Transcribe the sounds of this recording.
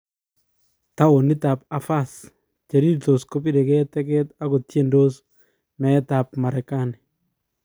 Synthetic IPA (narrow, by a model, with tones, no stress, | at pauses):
ta˦wo˨nɪ˦ta˨p̚a˨fa˦s | t͡ʃe˨ɾi˦ɾt̪o˨sko˦pi˦de˨ke˦tɛ˦kɛ˦ta˦ko˨tje˦ndo˦s | mɛ˨˦ta˨p̚ma˨ɾɛ˨ka˦ni